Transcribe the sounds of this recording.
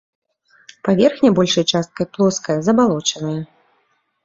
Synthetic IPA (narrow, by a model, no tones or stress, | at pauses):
pavʲɛrxnʲɐbɔlʲʂɐjt͡ʂast̪̚kɐjplˠɔskɐjɐzɐbalˠɔt͡ʂɐnɨjɐ